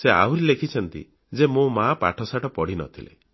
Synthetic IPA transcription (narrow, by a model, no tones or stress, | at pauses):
sea̰wɾilekʰit͡ʃʰɔnt̪ḭ | d͡ʒemõmapa̰ʈʰɔsaʈɔpɔɽ̤inɔ̰t̪ʰilḛ